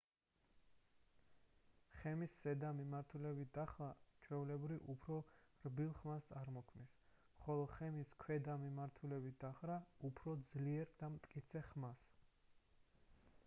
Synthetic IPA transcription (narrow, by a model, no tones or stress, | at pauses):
χɛmisːɛd̪amimaɾt̪ʰulɛbit̪̚ʰd̪aχɾat͡ʃʰwɛulɛbɾiʔupʰɾɔɾbilˠχmast̪sʼaɾmɔkʰmnis | χɔlˠɔχɛmiskʰwɛd̪amimaɾt̪ʰulɛbit̪̚d̪aχɾaupʰɾɔd̪zliɛɾd̪amt̪ʼkʼit̪sʰɛχmas